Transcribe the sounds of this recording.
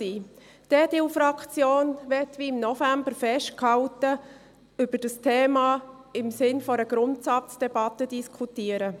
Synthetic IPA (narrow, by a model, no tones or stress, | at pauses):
iː | d̥ɛd̥ɪfɾɑkχt͡sjoːnʋɛtʋiːɪmnɔfæmbəɾfɛʃt̚khɑwtə | ʏb̥əɾd̥əstʰeːmɑ | ɪmsɪnfɔɾəɡ̥ɾʊntsɑt͡sd̥ɛbɑtədiskʰutiəɾə